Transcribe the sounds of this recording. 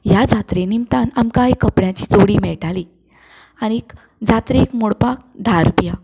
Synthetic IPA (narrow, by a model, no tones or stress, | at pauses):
jad͡zat̪ɾenimt̪anamkaikəpɽjat͡ɕit͡soɽiːmɛɭʈali | añik | d͡zat̪ɾeːkmoɽpak̚d̪ʱaɾupja